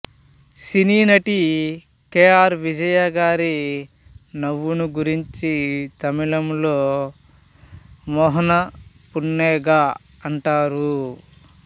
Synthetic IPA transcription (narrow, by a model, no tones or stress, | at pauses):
siniːnɐʈi | keːaːɾʋid͡ʒɐjaːɡaːɾi | nɐʋːunuɡuɾiɲt͡ʃit̪ɐmilɐmloː | mɔːɦɐnɐ | punːeːɡaː | ɐɳʈaːɾu